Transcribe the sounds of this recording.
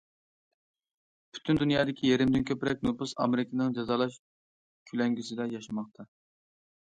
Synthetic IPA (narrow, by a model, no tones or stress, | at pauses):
pʰy̥t̪ʰynd̪unjɑːd̪ɪkʲʰijeɾɪmd̪ɪnkʲʰøpɾɛk̚ʲnupusɑ̰meɾɪkʰʲɪnɨŋd͡ʒɑzɑːlˠɑʃ | kʲʰylɛŋɡʲysɪd̪ɛjɑʃɑmɑχt̪ʰɑ